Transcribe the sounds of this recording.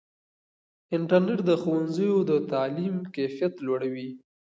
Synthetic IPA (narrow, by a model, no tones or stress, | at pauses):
ɪɳʈəɾneʈd̪əxowanzəjod̪ət̪ɑlimkafijat̪lwaɽawi